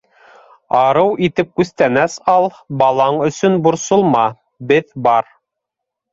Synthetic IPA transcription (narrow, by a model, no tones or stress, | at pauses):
ɑɾɤwʔit̪ɘp̚kʉθt̪ænæsɑlˠ | bɑlˠɑɴɵ̆sɵnbŭɾsŏlˠmɑ | bɘðbɑɾ